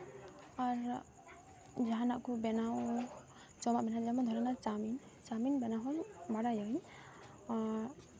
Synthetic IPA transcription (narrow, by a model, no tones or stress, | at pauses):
aɾ | d͡ʒaɦanaʔkubɛnaw | t͡ʃɔmaʔbɛnad͡ʒamad̪ʱɔɾɔnaɾt͡ʃamin | t͡ʃaminbɛnaɦɔjbaɽajɔj | a